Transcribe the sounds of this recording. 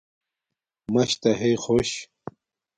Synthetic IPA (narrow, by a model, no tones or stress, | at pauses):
mɐɕt̪ɐɦejxoɕ